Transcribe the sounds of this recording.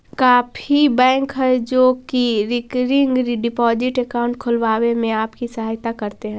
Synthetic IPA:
kaːpʰibɛ̃ːŋkɦɛd͡ʒoːkiɾɪkɾɪ̃ŋɡɾiɖɪpɔːd͡ʒɪʈekaːʊ̃ɳʈ̚kʰʊlʋaːwemẽaːpkisɐɦaːjt̪akɐɾt̪eɦɛ̃ː

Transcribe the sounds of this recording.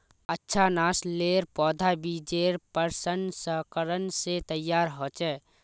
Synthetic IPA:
ətːʃʰanasleɾpɔːd̪ʱabid͡ʒeɾpəɾsənsəkəɾənset̪əjːaːɾɦoːt͡ʃɛː

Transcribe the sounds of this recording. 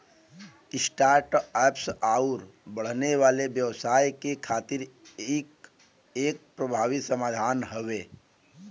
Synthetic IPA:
ɪsʈaːɾʈɛːpsaːʊɾbəɽ̤neʋaːleʋjəʋsaːjkekʰaːt̪ɪɾeːk | eːk̚pɾəbʱaːʋisəmaːd̪ʱaːnɦəʋeː

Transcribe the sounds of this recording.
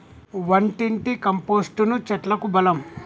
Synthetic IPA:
ʋɐɳʈiɳʈikɐmpoːsʈunut͡ʃɐʈlɐkubɐlɐm

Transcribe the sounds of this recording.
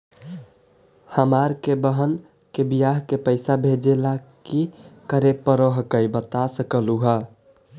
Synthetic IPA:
həmaɾkebəɦən | kebijaɦkepəɪsabʱed͡ʒelakikəɾepəɾəɦəkəjbət̪asəkəluɦə

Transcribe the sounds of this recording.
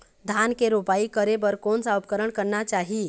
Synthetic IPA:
d̪ʱankeɾupaikəɾebəɾkonsaupkəɾəɳkəɾnat͡ʃaɦi

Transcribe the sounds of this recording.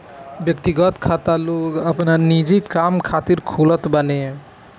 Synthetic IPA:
bjekt̪iɡɔt̪kʰat̪aloɡapnaɾnid͡ʒikamkʰat̪iɾkʰulɔt̪bane

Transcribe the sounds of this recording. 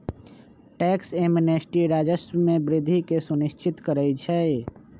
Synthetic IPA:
ʈɛːkseːmenesʈiɾaːd͡ʒəsmẽbɾɪd̪ʱikesʊnɪʃt͡ʃɪt̪kəɾəit͡ʃʰɛ

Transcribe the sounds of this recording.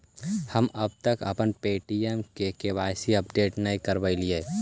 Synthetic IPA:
hɐmɐb̚t̪əkɐ̰pənpeːʈiemkekeʋaːsiɐpɖeːʈnɐɦĩkɐɾʋəilie

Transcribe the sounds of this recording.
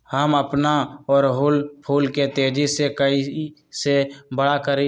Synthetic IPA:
həməpnaɔːɾɦʊlpʰuːlket̪eːd͡ʒisekəi | sebəɽakəɾi

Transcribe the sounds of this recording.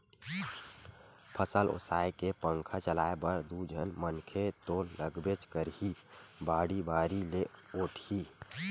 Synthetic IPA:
pʰəsəlo̰saːekepə̃ŋkʰat͡ʃəlaːebəɾd̪ud͡ʒʱənmənkʰet̪oːləɡbet͡ʃkəɾɦibaːɽibaːɾileoːʈʰi

